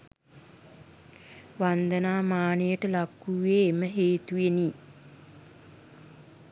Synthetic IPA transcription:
ʋand̪ənaːmaːnəjəʈəlakːuʋeːməɦeːt̪ujeni

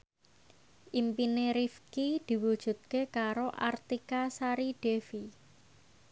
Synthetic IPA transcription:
ʔimpineɾifkid̪̥i̤wud̥ʒ̥ṳt̪̚kekaɾoʔa̰rt̪ikasaɾiɖ̥e̤fi

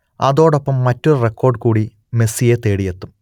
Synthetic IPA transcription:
ɐðo̞ːɽopːɐmːɐtːolrekːo̞ːrɖkuːɽi | me̞sijet̪e̞ːɽijet̪ːum

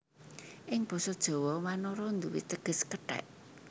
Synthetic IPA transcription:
ʔɪŋb̥ɔ̤sɔd̥ʒ̥ɔ̤wɔmanɔɾɔnd̪uwḭt̪əɡ̥ə̤skəɖ̥ɛ̰ʔ

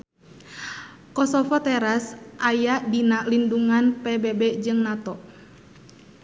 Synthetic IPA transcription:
kɔsɔfɔt̪ɛɾasʔajaʔdinaʔlinduŋanpɛbɛbɛd͡ʒɨŋnat̪ɔʔ

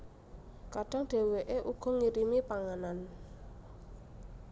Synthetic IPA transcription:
kaɖ̥aŋɖ̥e̤weʔeʔuɡ̥ɔ̤ŋiɾimipaŋanan

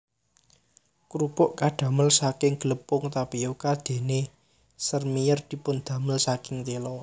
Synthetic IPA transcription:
kuɾub̥ʊʔkaɖ̪̥ä̤məlsakɪŋɡ̥ələpʊŋt̪apijokad̪̥e̤ne | sərmijərd̪̥i̤pʊnd̪̥ä̤məlsakɪŋt̪elɔ

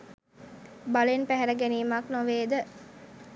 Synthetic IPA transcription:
balenpæɦɛɾəɡeniːmaknoʋeːd̪ə

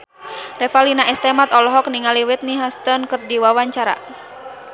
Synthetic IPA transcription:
rɛfalinaɛst̪ɛmat̪ɔlɔɦɔk̚niŋaliwit̪̚niɦast̪ɔnkɨrdiwawaɲt͡ʃaɾa̰

